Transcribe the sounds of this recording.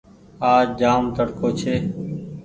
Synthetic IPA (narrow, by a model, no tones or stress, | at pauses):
aːd͡ʒaːmt̪əɽkʰoːt͡ʃʰeː